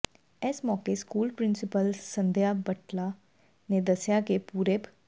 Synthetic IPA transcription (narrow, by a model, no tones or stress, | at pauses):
ɛːsmɔːkeskuːlpɾɪnsɪpəlsənd̪jaːbəʈlaː | neːd̪əsjaːkepuːɾeːp